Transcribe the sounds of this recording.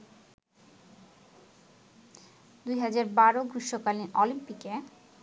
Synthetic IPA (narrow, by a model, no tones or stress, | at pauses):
d̪ujɦad͡ʑaɾbaɾoɡɾiʃːokaliʔɔlimpike